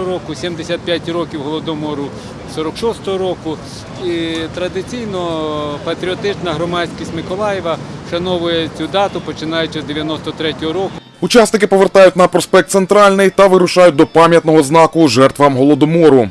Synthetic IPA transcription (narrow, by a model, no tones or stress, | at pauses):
ɾɔkʊsʲimd̪esʲat̪̚pʲjat̚ʲrɔkʲiwɦɔlˠɔd̪ɔmɔɾʊ | sɔɾɔkʃɔst̪ɔɦɔɾɔkʊ | it̪ɾɐd̪ɪt͡sʲijnɔpɐt̪ɾʲiɔt̪ɪt͡ʃnɐɦɾɔmɑsʲkʲisʲtʲmɪkɔlˠɑjɛʋɐʃɐnɔʋʊjɛt͡sʲud̪ɑt̪ʊpɔt͡ʃɪnɑjʊt͡ʃɪzd̪eʋʲjɐnɔst̪ɔt̪ɾɛtʲɔɦɔɾɔkʊ | ut͡ʃɑsnɪkɪpɔʋert̪ɑjʊt̚ʲnɐpɾɔspɛk̚t̪sent̪ɾɑlʲnɪjt̪ɐʋɪɾʊʃɑjʊt̚ʲd̪ɔpɑmʲjɐt̪nɔɦɔznɑkʊʒɛrt̪ʋɐmɦɔlˠɔd̪ɔmɔɾʊ